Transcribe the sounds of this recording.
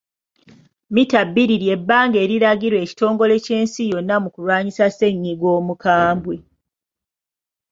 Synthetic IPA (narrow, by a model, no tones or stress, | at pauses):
mitabːiɾiɾje̞bːaːŋɡe̞ːɾiɾaɡiɾwe̞ːci̥to̞ːŋɡo̞le̞ce̞ːnsijo̞nːamukulwaːɲisase̞ɲːiɡwo̞ːmukaːmbwe